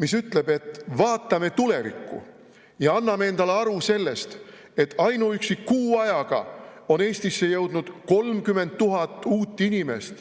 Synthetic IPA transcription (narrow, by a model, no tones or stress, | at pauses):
misyt̪le̞be̞t̪ːˑvɑːt̪ːˑɑme̞t̪ule̞vikːṵ | jɑɑnːɑmee̞nd̪ɑleɑɾuse̞lːe̞st̪ | e̞t̪ːˑɑjnuyksikuːɑjɑɡ̥ɑ̰ | o̞ne̞ːst̪isːe̞jɤwd̪̥nud̪̥ko̞lmkyme̞nt̪̚t̪ːuɦɑt̪ːˑuːt̪ːˑinʲime̞̰st̪